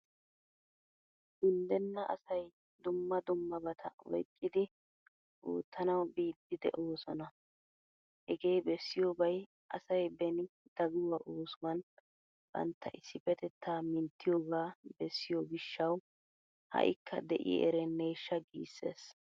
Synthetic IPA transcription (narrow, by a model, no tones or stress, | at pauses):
ɡʊnd̪ɛnːɐʔɐ̰sɐj | d̪ʊmːɐd̪ʊmːɐbɐt̪ʰɐ̰ɔ̰jkʼːɪd̪ɪ | ʔṵːt̪ːɐnɐwbiːd̪ːɪd̪ɛ̰ʔoːsɔnɐ | hɛɡejbɛsːɪjoːbɐj | ʔɐ̰sɐjbɛnɪd̪̥ɐɡʊwɐʔoːsʊmɐn | b̥ɐ̰nt̪ːɐʔɪsːɪfɛt̪ɛt̪ʰːaːmɪnt̪ːɪjoːɡaːbɛsːɪjoɡɪʃːɐw | hɐ̰ʔɪ̰kʰːɐd̪ɛʔɪ̰ʔɛɾɛnːeːʃːɐɡiːsːe̞̰ːs